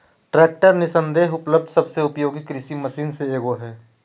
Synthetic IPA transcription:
ʈɾɛːk̚ʈəɾnɪsə̃nd̪eːɦʊpləb̚d̪sɐbseʊpjoːɡikɾɪsimɐsiːnseeːɡoɦɛː

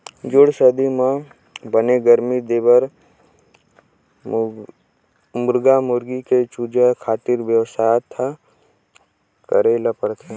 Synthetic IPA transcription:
d͡ʒʊɽsəd̪imã | bəneɡəɾmid̪eːbəɾ | mʊɾɡamʊɾɡiket͡ʃud͡ʒekʰaːt̪ɪɾʋjəwsaːjt̪ʰːa | kəɾeləpəɾt̪e

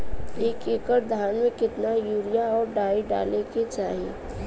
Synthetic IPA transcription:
eːkeːkəɾd̪ʱaːnmẽkɪt̪najuːɾijaɔːɾɖaːiɖa̰ːleket͡ʃa̰ːɦiḛː

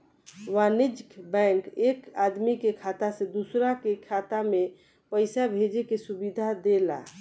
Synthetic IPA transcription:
wanid͡ʒkbɛ̃ŋkekad̪mikekʰat̪asẽd̪usɾakekʰat̪ame | pəɪsabʱed͡ʒekesubid̪ʱad̪ela̰

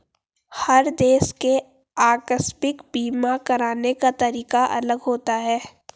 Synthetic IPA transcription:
hɐɾd̪eːske | aːkəspɪkbiːmakɐɾaːnekat̪ɐɾiːqaʔɐ̰ləɡɦoːt̪aɦɛː

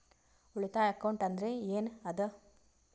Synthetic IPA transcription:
ʊɭɯt̪ːaːɐkːɐwɳʈɐnd̪ɾeeːnɐðɯ

